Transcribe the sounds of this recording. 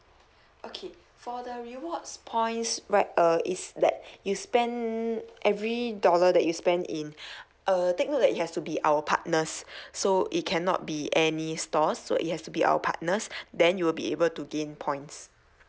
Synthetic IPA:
ʔokʰe | fɔdəɹiwɔtspʰɔ̃ɪ̃nsɹaɪt̚ʌisdɛt̚juspɛ̃ndʔɛvɹidɔlədɛʔ̚juspɛ̃ndḭ̃n | ʔətek̚not̚dɛtit̚hɛstubiʔawəpʰa̰t̚nəsːoʔit̚kʰɛ̃nɔ̰t̚biɛnistɔsːo̰ʔḭt̚hɛstubiʔa̰wə̰pʰa̰t̚nəsdɛ̃njuwilbḭḛbəltuɡẽnpʰɔ̃j̃ns

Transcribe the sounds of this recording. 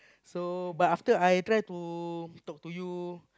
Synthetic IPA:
sobataft̪əajt̪ɾajt̪ut̪ɔk̚t̪uju

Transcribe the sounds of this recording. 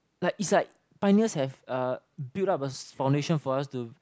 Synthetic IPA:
laɪkitslaɪk̚ | pãɪ̃niəshɛvʌ | biltap̚əfãw̃ndeʃɔ̃nfɔastu

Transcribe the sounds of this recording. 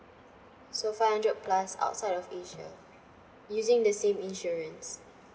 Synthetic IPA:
sofahãndɹət̚pʰlasa̰ʊtsaɪdɔfeʃə̰ | juzɪ̃ŋdəsẽmĩnʃɔɹə̃ns

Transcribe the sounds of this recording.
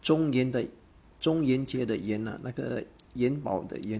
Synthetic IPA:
ʊŋjɛnd̪ə | t͡sʊŋjɛnt͡ɕjɛd̪əjɛna̰nʔaɡə̰ | jɛnpɑ̰ʊd̪ə̰jɛn

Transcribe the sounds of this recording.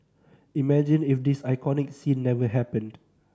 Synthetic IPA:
imɛd͡ʒĩnifdisajkʰɔnɪksĩnːɛvəɦɛpə̃nd

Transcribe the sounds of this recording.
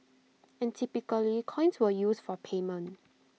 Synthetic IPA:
ɛ̃ntʰipikəlikʰɔ̃ɪ̃nswəjuːsd̥fɔpʰemə̃nt

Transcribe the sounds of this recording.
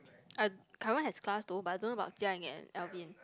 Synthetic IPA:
akʰaɹə̃nɦɛsklasdobaadõnəbaʊt̚tiaɛ̃ŋɛ̰̃nɛlviə̃n

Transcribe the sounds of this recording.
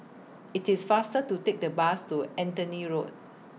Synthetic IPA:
itisfastətutek̚dəbastuɛ̃ntəniɹot̚

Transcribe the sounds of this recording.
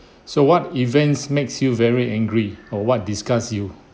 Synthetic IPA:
sowɔtivɛ̃nsmeksjuvɛɹiɛ̃ŋɡɹiɔwɔt̚diskasju

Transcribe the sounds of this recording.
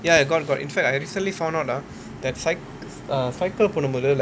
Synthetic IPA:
jaaɡɔt̚ɡɔtḭ̃nfɛk̚taɪɾiːsə̃ntlifãʊ̃ndaʊta | d̪ɛtsaɪk | əsaɪkəlponəmud̪əl

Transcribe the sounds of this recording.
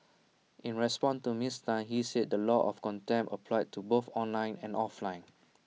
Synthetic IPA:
ʔĩnɹɛspɔ̃ntumistãnhised̚dəlɔʔɔ̰fkɔ̃ntɛ̃mpəpʰlaɪd̚tʰuboθɔ̃nlãɪ̃nɛ̃nɔflãɪ̃n

